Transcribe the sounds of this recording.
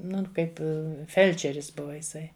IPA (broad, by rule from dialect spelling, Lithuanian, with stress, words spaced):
ˈnʊn ˈkɐɪp ɪ ˈfʲɛlʲt͡ʃʲɛrʲɪs ˈbʊʋɐ ɪˈsɐɪ